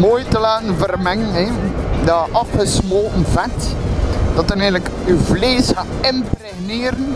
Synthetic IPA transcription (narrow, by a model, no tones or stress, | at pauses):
mojtəlaːnvərmɛŋənɛdaːʔɑfəsmolˠvɛt | d̥ɔtənɛləkyvleːsaɪmprɛneːɾən